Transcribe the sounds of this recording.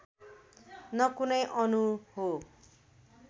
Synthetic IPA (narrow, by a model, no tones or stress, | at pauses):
nʌkunʌjʔʌnuɦo